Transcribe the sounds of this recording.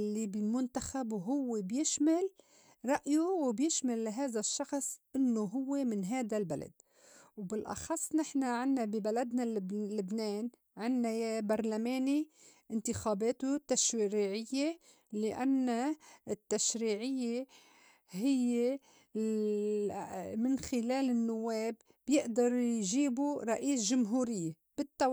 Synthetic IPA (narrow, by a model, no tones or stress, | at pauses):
lːibɪlmʊnt̪axabwɦʊwːebjɪʃmal | ɾˤɑʔjuwɪbjɪʃmalːaɦaːðaʃːɑxsˤʔɪnːoɦʊwːemɪnɦaːd̪albala̰d̪̚ | wbɪlʔɑ̰xɑsˤːnɪħnaʕɪnːabibalad̪nallɪbneːn | ʕɪnːajabɑɾˤlameːni | ʔɪnt̪ɪxaːbeːt̪ut̪aʃɾiːʕɪjːe | lɪʔanːaɪt̪ːaʃɾiːʕɪjːe | hɪjːe | mɪnxɪleːlɪnːʊwːeːb̥ːjɪʔd̪ɑɾˤjʒiːbuɾˤɑʔiːsʒʊmɦuːɾɪjːe | b̥ɪt̪ːa